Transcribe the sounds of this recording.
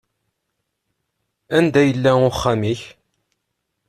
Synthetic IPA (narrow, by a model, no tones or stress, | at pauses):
ænd̪æjəlːæʊχːæmiç